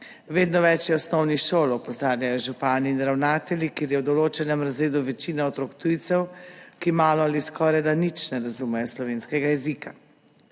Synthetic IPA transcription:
ʋeːd̪nɔʋɛt͡ʃjɛɔsnɔwniʃoːlɔpɔzaːɾjajɔʒupaːniːnɾawnaːt̪ɛlʲikeːɾjɛwd̪ɔloːt͡ʃɛnɛmɾazɾeːd̪uʋɛt͡ʃiːnaɔt̪ɾokt̪ujt̪sɛwkimaːlɔaliskɔːɾajd̪anit͡ʃnɛɾazumɛjɔslɔʋeːnskɛɡajɛzika

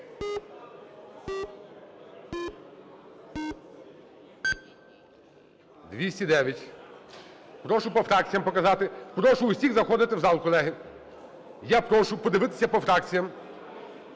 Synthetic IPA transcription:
d̪ʋʲisʲtʲid̪ɛʋʲjɐtʲ | pɾɔʃʊpɔfɾɑk̚t͡sʲijɐmpɔkɐzɑt̪ɪpɾɔʃʊːsʲiɣzɐxɔd̪ɪt̪ɪwzɑlˠkɔlˠɛɦɪ | japɾɔʃʊpɔd̪ɪʋɪt̪ɪ̥sʲɐpɔfɾɑk̚t͡sʲijɐm

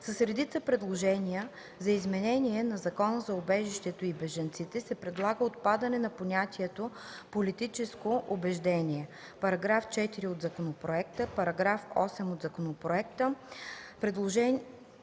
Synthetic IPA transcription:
səsɾɛd̪it̪səpɾɛd̪lˠoʒɛniə | zɐizmɛnɛniɛnɐzɐkɔnəzɐʊbɛʒiʃt̪ɛt̪oibɛʒɐnt̪sit̪ɛsɛpɾɛd̪lˠaɡəot̪̚pad̪ɐnɛnɐponʲat̪ʲiɛt̪o | polit̪it͡ʃɛskoʔʊbɛʒd̪ɛnʲiɛ | pɐɾɐɡɾaft͡ʃɛt̪iɾiod̪zɐkonopɾoɛkt̪əpɐɾɐɡɾafɔ̰sɛmod̪zɐkonopɾoɛkt̪əpɾɛd̪lˠoʒɛn

